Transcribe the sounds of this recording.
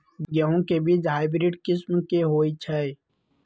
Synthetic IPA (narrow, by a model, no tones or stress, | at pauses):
ɡəɦõkebiːd͡ʒɦaːɪbɾiɖkɪsmkeɦoːit͡ʃʰɛ